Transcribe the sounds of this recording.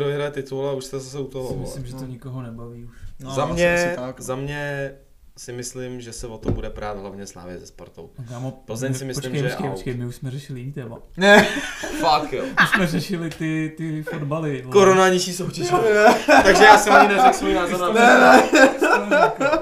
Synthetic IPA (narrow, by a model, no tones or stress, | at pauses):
ɾovɪɦɾajɛt̪ɪt̪ulɛuʃst̪ɛzasɛut̪ooɪmɪslɪmʒɛt̪oɲɪkoɦonɛbaviːuʃzamɲɛszamɲɛ | sɪmɪslɪmʒɛsɛvot̪obudɛpɾaːd̪ɦlavɲɛsla̰ːvɪɛzɛspo̰ɾt̪o̰wkaːmopozɛɲsɪmɪsot͡ʃɪmket͡ʃkejpot͡ʃkejmɪuʃsmɛrɛʃɪlɪjɪniːt̪ɛːma̰ | nɛfakjouʃsmɛrɛʃɪlɪt̪ɪt̪ɪfodbalɪkoɾonalɲiʃiːsowcɛʒɛt̪aɡʒɛjaːsɛmaɲɪnɛɪksojinaːzoanɛnɛ